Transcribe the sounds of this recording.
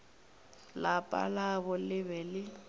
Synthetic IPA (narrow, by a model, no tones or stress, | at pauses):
lapʼa̰laβʊlɪβɛlɪ